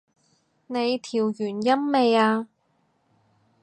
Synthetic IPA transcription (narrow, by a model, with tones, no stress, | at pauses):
ne˨˧jt̪ʰiː˨˩wjyː˨˩njɐ˥mːe˨˧jaː˧